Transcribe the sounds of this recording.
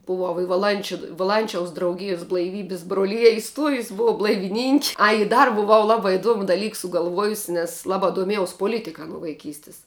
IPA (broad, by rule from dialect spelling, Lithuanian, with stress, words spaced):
bʊˈʋɐʊ ɪ ʋɐˈlˠɐnʲt͡ʃʲʊ ʋɐˈlˠɐnʲt͡ʃʲɛʊs drɐʊˈɡʲɪjʊs blˠɐɪˈʋʲiːbʲɪs broːˈlʲɪjɛ ɪˈstuɔjʊs bʊˈʋɐʊ blˠɐɪʋʲɪˈnʲɪŋʲkʲɪ ˈɐɪ ɪ ˈdɐr bʊˈʋɐʊ ˈlˠɑːbɑː ɪˈduɔmʊ dɐˈlʲiːk sʊɡɐlˠˈʋuɔjʊsʲɪ nʲɛs lˠɐˈbɑː duɔˈmʲiɛjɛʊs poːˈlʲɪtʲɪkɐ nuɔ ʋɐɪˈkʲiːsʲtʲɪs